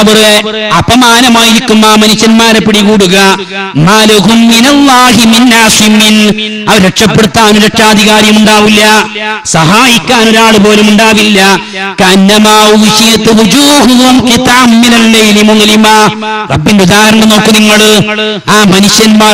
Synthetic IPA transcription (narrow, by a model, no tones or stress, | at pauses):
ɐʋɐre | ɐbɐmaːnɐmaːjiɾikʲːumːaːmɐnuɕjɐnmaːɾepːiɽikuːɽuɣɐ | maːlɐɡumːinɐlːaːɦiminːaːsimːin | ɐʋɐɾɾeʈʂɐpːe̞ɽut̪ːaːnuɾeʈʂaːd̪ʱiɣaːɾjɐmuɳɖaːʋilːɐ | sɐɦaːjikʲːaːno̞ɾuaːɭɨpo̞ːlumuɳɖaːʋilːɐ | kɐnːɐmaːʋuʋiɕɐjɐt̪ːɨwud͡ʒuːɦuðɐmkit̪amːinɐlːɐjlimuŋɐlima | rɐbːindeud̪aːɐɾɐɳɐmno̞ːkːɨniŋːɐɭ | aːmɐnuɕjɐnmaː